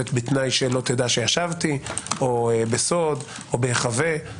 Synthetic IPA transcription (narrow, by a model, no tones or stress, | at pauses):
et̪bit̪najʃelo̞t̪ed̪aʃejaʃavt̪iobeso̞d | ʔobeχave